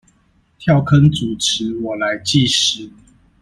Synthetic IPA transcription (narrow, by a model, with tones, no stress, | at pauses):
t̪ʰjɑ˥˨ʊkʰə˦nt͡su˨˩ʈ͡ʂʰɻ̩˨˦wɔ˨˩la˨˦ɪt͡ɕi˥˨ʂɻ̩˨˥˦